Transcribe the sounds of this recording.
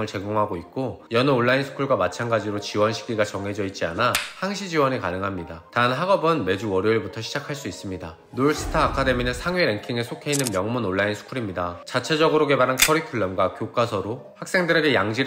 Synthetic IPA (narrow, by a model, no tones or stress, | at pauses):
ŋɯɭt͡ɕe̞ɡoŋɦaɡoit̚k͈ojʌnɯoɭːainsʰu̥kʰuɭɡwamat͡ɕʰanɡad͡ʑiɾot͡ɕiwʌnɕʰi̥ɡiɡat͡ɕʌŋɦe̞d͡ʑʌit̚t͡ɕ͈ianahaŋɕʰid͡ʑiwʌnikanɯŋɦamɲidataɯnɦaɡʌbɯnme̞d͡ʑuwʌɾjoiɭbutʰʌɕʰid͡ʑakʰaɭs͈uis͈ɯmɲida | noɭs͈ʰɯ̥tʰaːkʰade̞minɯnsʰaŋɥiɾe̞ŋkʰiŋesʰokʰe̞inːɯnmjʌŋmunoɭːainsʰu̥kʰuɾimɲidat͡ɕat͡ɕʰe̞d͡ʑʌɡɯɾoke̞baɾankʰʌɾitʰɯɭːʌmɡwakjok͈asʰʌɾohak̚s͈e̞ŋdɯɾe̞ɡe̞jaŋd͡ʑi